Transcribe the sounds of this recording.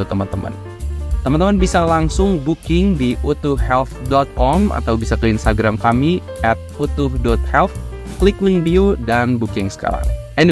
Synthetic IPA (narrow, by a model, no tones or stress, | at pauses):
ut̪əmənt̪əmə̰n | t̪əmənt̪əmənbisalaŋsʊŋbukɪŋdiʔut̪uhhɛlθdɔt̪̚kɔma̰t̪awbisakəinst̪aɡɾamkami | ʔɛt̪̚ut̪uhdɔt̪̚hɛlt | kəliklɪŋviudanbukɪŋsə̥ka̰ɾa̰ŋʔɛn